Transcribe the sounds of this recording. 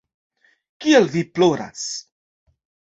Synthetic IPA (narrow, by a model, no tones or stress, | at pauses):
kielviploɾa̰s